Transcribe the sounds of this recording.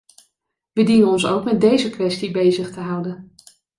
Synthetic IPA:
ʋədinənɔnsowkmɛt̚dejzəkʋɛstibejzəχtəɦʌwdən

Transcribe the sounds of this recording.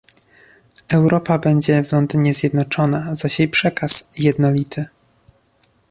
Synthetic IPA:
ɛwɾɔpabɛɲd͡ʑɛvlɔnd̪ɘɲɛzʲjɛd̪nɔt͡ʂɔnazaɕejpʂɛkasjɛd̪nɔlʲit̪ʰɘ

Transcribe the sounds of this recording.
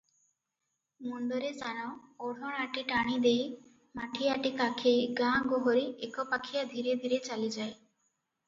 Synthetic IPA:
mund̪ɔɾesaɽ̃ɔɔɽ̤ʱɔɽ̃aʈiʈaɽ̃id̪ej | maʈʰiaʈikakʰeɡãɡɔɦɔɾiekɔpakʰijad̪ʱiɾed̪ʱiɾet͡ʃalid͡ʒae

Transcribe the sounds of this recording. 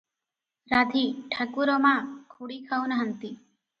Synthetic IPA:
ɾad̪ʱiʈʰakuɾɔmãkʰuɽikʰawnəɦənt̪i

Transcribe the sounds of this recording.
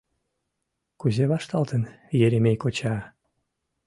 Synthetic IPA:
kuzʲeβɑʃt̪ɑlˠt̪ə̆n | jeɾʲemʲejkot͡ɕɑː

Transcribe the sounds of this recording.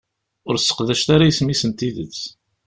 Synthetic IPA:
ʊɾsːə̥qðæʃt̪aɾajismisənt̪iðət͡s

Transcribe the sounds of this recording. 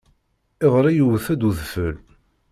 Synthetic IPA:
ɪðˤɾˤijuvəθæd̪uðfəl

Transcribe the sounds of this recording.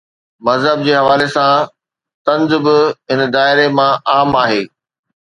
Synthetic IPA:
mɐzɦəb̚d͡ʑeːɦɐʋaːlesã | t̪ɐ̃nzbɪɦɪnd̪aːɪɾemãʔaːmaːɦeː

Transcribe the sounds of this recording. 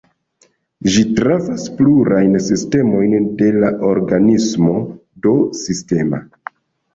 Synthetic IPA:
ʒitɾavaspluɾajnsiste̞mo̞jnde̞laʔoɾɡanismo̞ | do̞siste̞ma̰

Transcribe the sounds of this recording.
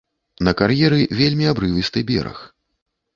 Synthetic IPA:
nɐkarjɛɾɨvʲelʲmʲiabɾɨvɨst̪ɨbʲɛ̰ɾɐ̰x

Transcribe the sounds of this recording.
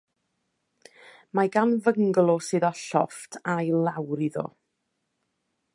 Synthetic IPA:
maɡanvəŋɡlˠɔsɨːðɔɬɔftʰajlˠawɾiðɔ̰

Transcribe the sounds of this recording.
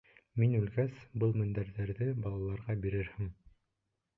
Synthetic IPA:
minʉlɡæsbɤlˠmɘ̆nd̪æɾðæɾðɘbɑlˠɑlˠɑɾʁɑbiɾɘɾhɘm

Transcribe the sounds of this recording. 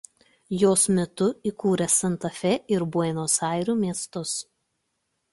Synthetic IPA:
joːsmʲɛt̪ʊikuːɾʲɛsɐnt̪ɐfʲɛʔɪɾbuɛɪnoːsɑˑɪɾʲuːmʲiɛst̪ʊs

